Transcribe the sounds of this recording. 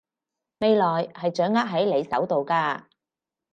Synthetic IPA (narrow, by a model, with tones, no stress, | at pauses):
me˨˧jlɔː˨˩jhɐ˨jt͡ʃœː˨˥ŋːaː˥t̚ɦɐ˨˥jle˨˧jsɐ˨˥wt̪o˨wkaː˧